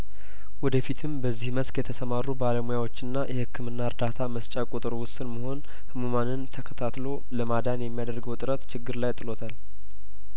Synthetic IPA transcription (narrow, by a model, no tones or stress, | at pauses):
wɔd̪əfit̪ʰɨmbəzːihməskʼjɛt̪ʰəsəmaɾːubaləmujawo̞t͡ʃːɪnːajʔɛhɨkʰːɨmɨnːaɨɾd̪at̪ʰaməst͡ʃʼakʼot̪ʼɨɾowʊsɨnməho̞n | hɨmumanɨnt̪ʰəkʰət̪ʰat̪lo̞ | ləmad̪anjɛmːijad̪ərɡəwt̪ʼɨɾət̪t͡ʃɪɡːɨɾlajt̪ʼɨlo̞t̪ʰal